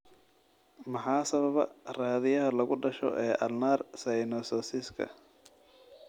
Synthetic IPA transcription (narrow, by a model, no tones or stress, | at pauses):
mɑħɑːsɐβɐβɐ̰raːðɪjɐɦɐlɐɣʊɖɐʃɔ̰ʔɛːʔɐ̰lnaːrsɐjnɔsɔːsɪskʰɐ̰